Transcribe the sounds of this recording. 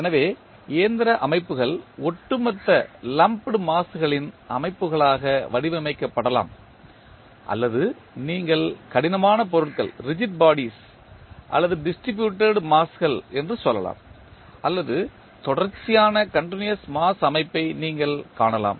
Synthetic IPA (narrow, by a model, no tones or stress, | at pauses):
ɛnɐʋeː | eːnd̪ɪɾɐʔɐmɐɪpːɯɣɐɭɔʈːɯmɐt̪ːɐlɐmpɽɯmaːsɯɣɐɭɪnʔɐ̰mɐɪpːɯɣɐɭaːɣɐʋɐɽɪʋɐmɐɪkːɐpːɐɽɐla̰ːm | ʔɐ̰lːɐðɯ | niːŋɡɐɭkɐɽɪnɐmaːnɐp̬ɔɾɯʈkɐ̰ɭɾɪd͡ʒɪʈ̚baːɽis | ʔɐ̰lːɐðɯɖɪsʈɾɪbjuːʈːeɽmaːsɣɐɭɛndrɯsɔlːɐ̰la̰ːm | ʔɐlːɐðɯ | t̪ɔɽɐɾt͡ʃɪjaːnɐkɐɳʈɪnɪjɐsmaːsɐmɐɪpːɐɪniːŋɡɐɭkaːɳɐla̰ːm